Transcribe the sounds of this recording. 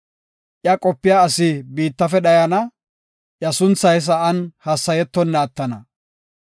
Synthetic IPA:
ʔjɐkʼɔpːɪjaɐsɪbiːt̪ːɐfɛɗɐjɐnɐ | ʔjɐsʊnt͡sːɐjs̬ɐʔɐnhɐsːɐjɛt̪ːɔnːaːt̪ːɐnɐ

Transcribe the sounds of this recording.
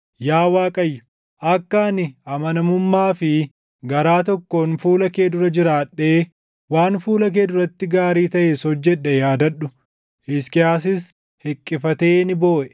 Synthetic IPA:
jaːwaːkʼɐjːʊ̥ | ʔɐkːanɪɐmɐnɐmʊmːaːfɪ | ɡɐɾaːt̪̬ɔkːonfuːlɐkeːd̪ʊɾɐd͡ʒɪɾaːᶑːe̞ː | waːnfuːlɐkeːd̪ʊɾɐt̪ːɪɡaːɾiːt̪ɐʔesɔd͡ʒːɛᶑːɛjaːd̪ɐᶑʊ | ʔɪskɪjaːsɪs | hɛkʼːɪfɐt̪e̞ːnɪbo̞ːʔɛ̥

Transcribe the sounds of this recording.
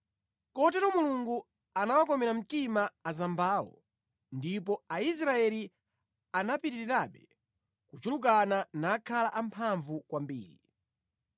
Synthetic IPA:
kɔt̬ɛɾɔmuluŋɡu | anawakɔmɛɾam̩timaːzambaːwɔ̰ | ndipɔais̬ɾaɛli | anapitiɾiɾaɓɛ | kut͡ʃuluk̬ananaːkʰalaʔampʰaɱvukwambḭːɾḭ

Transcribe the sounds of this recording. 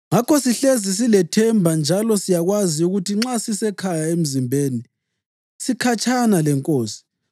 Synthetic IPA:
ŋakɔsiɬezis̬ilɛtʰɛmbʱand͡ʒʱalɔsijaɣwaziuɣutiŋ͡ǁasisɛkʰajaem̩zimbʱeːni | sikʰat͡ʃʼʰanalɛŋkʼoːsi̥

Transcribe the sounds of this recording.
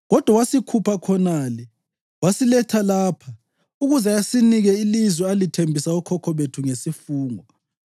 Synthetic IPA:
ɣɔd̥ʱwawasikʰupʰakʰɔnaːlɛ | wasilɛtʰalaːpʰa | uɣuzajasiniɣɛilizwɛalitʰembʱisaukʰɔkʰɔβetʰuŋesifuːŋɔ

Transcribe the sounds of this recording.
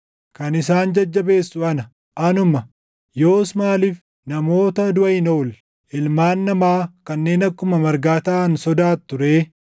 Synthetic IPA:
kɐnɪsaːnd͡ʒɐd͡ʒːɐbe̞ːsːʊɐnɐ | ʔɐnʊmɐ | jo̞ːsmaːliːf | nɐmo̞ːt̪ɐd̪ʊɐɪnoʊl | ʔɪlmaːnːɐmaːkɐnːe̞ːnɐkːʊmɐmɐɾɡaːt̪aːɐnsɔd̪aːt̪ːʊɾe̞ː

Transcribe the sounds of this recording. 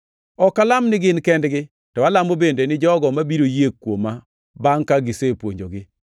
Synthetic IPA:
ɔkalamnɪɡɪnkɛndɡɪ | tɔwalamobendenɪd͡ʒɔɡɔmabiɾojekːwoma | baŋkaɡɪsepwo̰ɲd͡ʒoɡɪ

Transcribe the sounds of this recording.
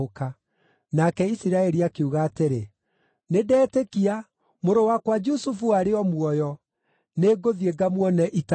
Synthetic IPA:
oka | nakɛisiɾaɛɾiakeuɣaːteɾe | nedɛːtekia | moɾowakwad͡ʒusufuaɾeɔmwɔjɔ | neːɡoðieɡamwɔnɛʔit

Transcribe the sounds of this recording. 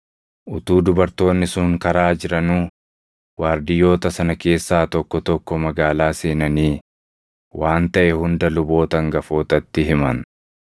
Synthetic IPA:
ʔʊt̪uːd̪ʊbɐɾt̪o̞ːnːɪsʊŋkɐɾaːd͡ʒɪɾɐnuː | waːɾd̪ɪjːo̞ːt̪ɐsɐnɐke̞ːsːaːt̪ɔkːɔt̪ɔkːɔmɐɡaːlaːse̞ːnɐniː | wʔaːnt̪ɐʔɛhʊnd̪ɐlʊbo̞ːt̪ɐŋɡɐfo̞ːt̪ɐt̪ːɪɦɪmɐn

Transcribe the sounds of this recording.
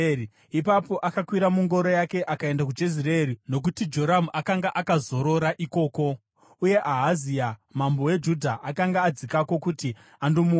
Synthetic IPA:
i | ipapo̞ʔakakwiɾamuŋɡo̞ɾojake̞ʔakae̞ndak̬ud͡ʒeziraeɾino̞k̬utid͡ʒo̞ɾamakaŋɡaʔakazo̞ɾo̞ɾaʔiko̞ːko̞ | uje̞ʔaɦaziamambo̞we̞d͡ʒudʱaʔakaŋɡaːd͡zikako̞kuti | andomu

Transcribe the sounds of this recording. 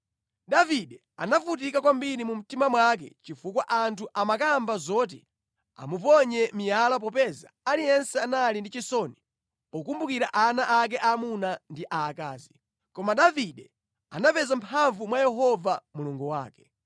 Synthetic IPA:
ɗaviɗɛ | a̰nafut̬ikakwambiɾimum̩timamwak̬ɛ̰t͡ʃifukwaʔantʰuʔamakambazɔt̬i | a̰mupɔɲɛmijalap̬ɔpɛza̰alijɛnsɛanalindit͡ʃisɔni | ɔkumbukiɾaʔanaʔak̬ɛʔamunandiʔaːkaːzi | kɔmaɗaviɗɛ | anapɛzampʰaɱvumwajɛɦɔvamuluŋɡuwa̰ːkɛ̥

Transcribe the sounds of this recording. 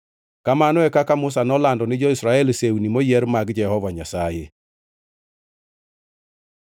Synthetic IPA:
kamanɔɛkakamʊs̬anɔlandɔnɪd͡ʒɔisɾaɛlseunimojɛɾmaɡd͡ʒɛhɔvaɲasajḛ

